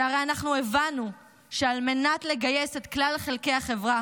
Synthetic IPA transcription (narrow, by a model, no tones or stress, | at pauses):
aʁe̞janaχnuevanu | ʃe̞alme̞natle̞ɡaje̞se̞tklalχe̞lke̞jaχe̞vʁa